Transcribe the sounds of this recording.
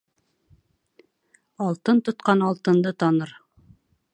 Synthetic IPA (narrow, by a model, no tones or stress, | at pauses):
ɑlˠt̪ɤnt̪ŏt̪qɑnɑlˠt̪ɤ̆nd̪ɤt̪ɑnɤɾ